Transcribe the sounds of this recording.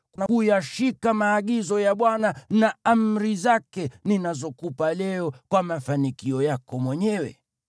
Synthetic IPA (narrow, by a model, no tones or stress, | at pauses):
knakujaʃikamaːɠizɔjaɓwananaam̩ɾizakɛninazɔkupalɛɔkwamafanikiɔjakɔmwɛɲɛwɛ̰